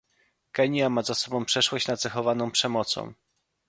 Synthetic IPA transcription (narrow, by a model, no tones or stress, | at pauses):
kɛɲjamazasɔbɔ̃w̃pʂɛʂwɔɕt͡ɕnad̪zaxɔvanɔ̃w̃pʂɛmɔt̪sɔ̰̃w̃